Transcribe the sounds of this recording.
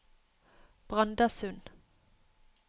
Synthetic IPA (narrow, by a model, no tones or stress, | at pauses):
b̥ʁɑnd̪ɑsʉn